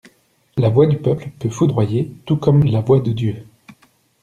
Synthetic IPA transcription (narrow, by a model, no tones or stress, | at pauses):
lavwad̪ypœplpøfud̪ʁwajet̪ukɔmlavwad̪əd̪jø